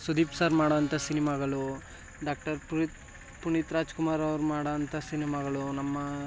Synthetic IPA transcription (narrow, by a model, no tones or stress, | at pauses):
sud̪iːpsaːɾmaːɽɐɐnt̪ʰɐsinimaɡɐɭu | ɖaːk̚ʈɐɾp | puɳit̪ɾaːd͡ʒkumaːɾɐʋɐɾumaːɽɐɐnt̪ʰɐsinimaːɡɐɭunɐmːɐ